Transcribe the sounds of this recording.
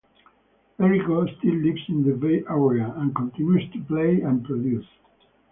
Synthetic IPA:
ɛɹikost̪ilːiksĩnðəveʔɛɹiaæ̃nkɔ̃nt̪ĩnjust̪upleɪæ̃npɹɔd̪jus

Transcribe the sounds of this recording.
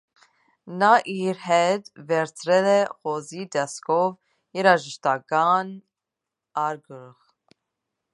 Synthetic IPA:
nɑʔiɾhɛt̪ʰvɛɾt͡sʰɾɛlɛχɔzid̪ɛskʰɔv | jɛɾɑʒəʃt̪ɑkɑn | ɑɾɡəɾʁ

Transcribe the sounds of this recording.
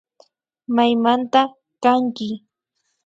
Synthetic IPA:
majmant̪a | kaŋkɪ

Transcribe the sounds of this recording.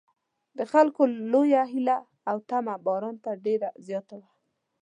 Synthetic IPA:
d̪əxalkolojaɦilaː | wt̪amabɑɾɑnt̪aɖeɾazjɑt̪awa

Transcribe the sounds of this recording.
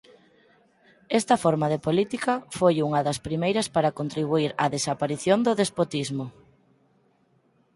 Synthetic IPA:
ɛst̪ɐfoɾmaðepolit̪ikɐfojuŋɐðɐspɾimejɾɐspaɾɐkont̪ɾiβ̞uiɾɐðesapaɾiθjond̪ʊðespot̪izmʊ

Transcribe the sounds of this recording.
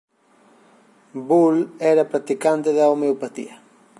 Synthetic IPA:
bulɛɾapɾat̪ikant̪eðaomeopat̪ḭɐ

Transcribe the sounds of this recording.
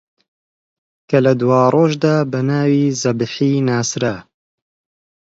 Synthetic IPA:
kɐlɐd̪waːrˤoːʒd̪aːbɐnaːwiːzɐbɨħiːnaːsɾɐ

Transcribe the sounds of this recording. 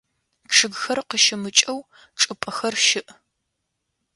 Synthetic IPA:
pʂɨɡxɐrqəʃɪmɨt͡ʃʼɐw | ʈ͡ʂʼɨpʼɐxɐrʃɪʔ

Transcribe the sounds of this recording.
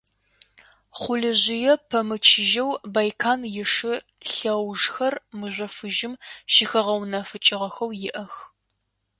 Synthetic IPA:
χʷʊɮɨʑʷɪjɛpʰɐmɨt͡ʃʰɪʒɐwbajkʰaːnjɪʂɨ | ɬɐwʒxɐrmɨʑʷɐfɨʒɪmʃixɐʁɐwnɐfɨt͡ʃʼɪʁɐxɐwjɪʔɐx

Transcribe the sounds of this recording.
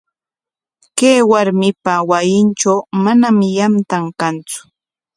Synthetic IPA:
kejwaɾmɪpawajɪnt͡ʃawmanamɪjamt̪aŋkant͡sʊ̥

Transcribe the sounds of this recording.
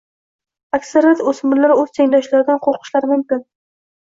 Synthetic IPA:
akʲsaɾjat̪osmʊɾlːaɾɵzt̪ʰeŋd̪ɒʃlaɾɪd̪anqʰoɾqʰɨ̥ʃlaɾmʊmkʲɪn

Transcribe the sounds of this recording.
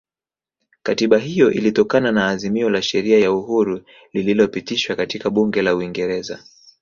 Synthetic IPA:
katiɓaɦijɔʔḭlitɔkananaːzimiɔlaʃɛɾiajauhuɾu | lililɔpitiʃwakatikaɓuŋɡɛlauiŋɡɛɾɛza̰

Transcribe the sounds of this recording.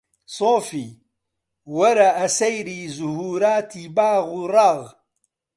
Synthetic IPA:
sˤoːfi | waɾˤɑʔasajɾizʊhuːɾaːt̪ibaːɣɾˤɑɣ

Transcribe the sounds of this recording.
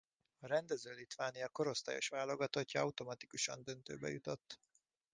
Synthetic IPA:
ɒɾɛnd̪ɛzøːlit̪ʋaːnijɒko̞ɾo̞st̪a̰ːjo̞̰ʃʋaːlo̞ɡɒt̪o̞cːɒɒut̪o̞mɒt̪ikuʃɒ̰nd̪ø̞nt̪ø̰ːbɛ̰jut̪o̞t̪ː

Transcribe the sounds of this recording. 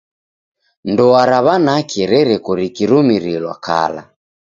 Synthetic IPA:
ndɔaɾaβanakɛɾɛɾɛkɔɾikiɾumiɾilwa̰ka̰la̰

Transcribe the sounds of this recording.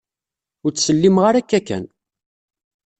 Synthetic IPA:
ʊɾt͡sːsəlːimʁaɾækːækːæ̰n

